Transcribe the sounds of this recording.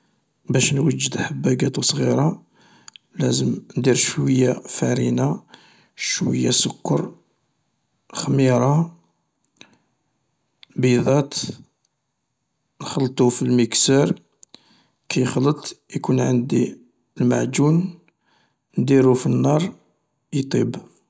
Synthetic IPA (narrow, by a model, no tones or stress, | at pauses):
bæʃnwəd͡ʒːəd̪ħəbːæɡæt̪usˤɣiɾˤɑ | læ̰zəmnd̪iɾʃwəjːafæɾina | ʃwə̰jːasʊkːəɾˤ | xmiɾˤɑ | bid̪ˤɑt̪ | nxəlt̪ˤufilməksəɾ | kʰæjxlət̪ˤjkunʕənd̪i | lma̰ʕd͡ʒun | nd̪iɾufinːɑɾˤ | jt̪ˤib